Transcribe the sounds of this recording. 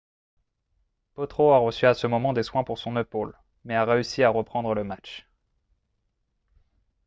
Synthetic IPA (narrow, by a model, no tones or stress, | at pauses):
pɔt̪χoaʁəsyasəmɔmɑ̃d̪eswɛ̃puʁsɔ̃nepol | mɛaʁeysiaʁəpχɑ̃d̪ʁələmat͡ʃ